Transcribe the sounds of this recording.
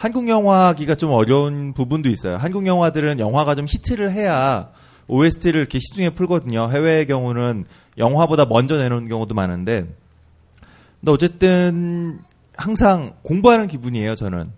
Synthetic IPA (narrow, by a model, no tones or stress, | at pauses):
hanɡuŋjʌŋɦwaɡiɡat͡ɕomʌɾjʌunpubundois͈ʌjo̰ɦanɡuŋjʌŋɦwadɯɾɯnjʌŋɦwaɡat͡ɕomɕʰit͡ɕʰeɾɯɭɦe̞ja | oesʰɯ̥tʰeɾɯɾikʰe̞ɕʰi̥d͡ʑuŋɦe̞pʰuɭɡʌdɯɲoɦe̞we̞ːɡjʌŋunɯn | jʌŋɦwabodamʌnd͡ʑʌne̞ɾonkjʌŋudomanɯnde̞ | deʌt͡ɕ͈e̞t͈ɯn | haŋsʰaŋkoŋbuɦanɯnkibuɲie̞jot͡ɕʌnɯ̰n